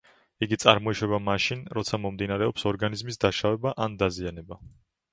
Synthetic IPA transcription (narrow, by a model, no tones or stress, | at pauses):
iɡit̪sʼa̰ɾmɔiʃwɛbamaʃinɾɔt̪sʰamɔmd̪inaɾɛɔpsɔɾɡanizmisd̪aʃavɛbaʔand̪azianɛba